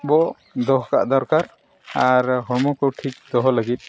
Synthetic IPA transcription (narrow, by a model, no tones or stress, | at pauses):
bɔ | d̪ɔɦɔka̰ʔd̪ɔɾkaɾ | aɾɦɔɹmɔkɔwʈʰik̚d̪ɔɦɔləɡit̪̚ˀ